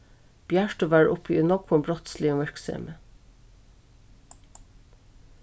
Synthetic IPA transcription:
b̥jæʃʈʊʋæɹʊ̰pʰinɔkʊmbɹɔt̪slɪʊʋɛɹksɛ̰mə

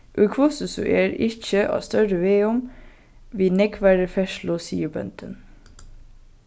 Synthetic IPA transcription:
ʔʉkʰʋʊsəsʉ̰ʔeːɾɪc͡çəʔɑ̰ːst̪œɾəʋeːʊm | ʋiːnɛɡʋæɾəfɛʃlʊsḭːəbœ̰nt̪ʰən

